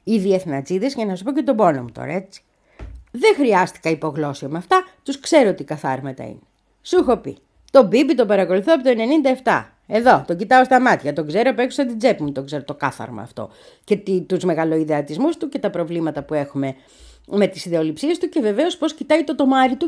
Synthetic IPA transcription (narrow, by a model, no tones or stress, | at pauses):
iðie̞θnɐt͡siðezʝɐnɐsɐsupo̞cet̪o̞bo̞no̰mut̪o̰ɾɐ̰e̞t͡si̥ | ðexɾiɐst̪i̥kɐipo̞ɣlo̞siomɐft̪ɐt̪uskse̞ɾot̪ikɐθɐ̰ɾmɐt̪ɐ̰ḭne | suxo̞pḭ | t̪o̞bibit̪o̞pɐɾɐko̞luθoɐp̬ot̪oene̞nind̪ɐeft̪ɐ̰ | e̞ðo̞t̪oɟit̪ɐo̞st̪ɐmɐt̪çɐt̪o̞ɡze̞ɾopekusɐt̪id͡ze̞pimut̪o̞ɡze̞ɾot̪o̞kɐθɐ̰ɾmɐ̰ːft̪o̞̰ | ce̞t̪it̪uzme̞ɣɐloiðe̞ɐt̪izmust̪uce̞t̪ɐpɾo̞vlimɐt̪ɐpue̞xume̞ | me̞t̪isiðe̞o̞lipsiest̪uce̞ve̞ve̞o̞spo̞scit̪ɐit̪o̞t̪o̞mɐɾit̪u